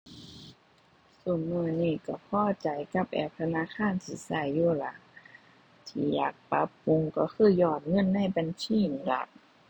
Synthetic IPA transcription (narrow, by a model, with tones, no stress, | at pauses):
suː˨˩˦nmɯ˧˩əniː˧˩˨ka˧˩pʰɔː˧˥˨t͡ɕa˨˦jka˧˥p̚ʔɛ̰ː˧˩p̚t̪ʰa˧naː˧˥˨kʰaː˧˥˨nsʰi˨˦sa˧˩˨jːuː˧˩˨la˧˦ʔ | t̪ʰiː˧˩jaː˨˩k̚pa˧˦˥pːu˧ŋkɔ˧˩kʰɯː˧˥˨jɔː˧˩t̪̚ŋɤ˧˥˨nːa˧˥˨jba˨nsiː˧˥˨ni˧˩la̰˧˦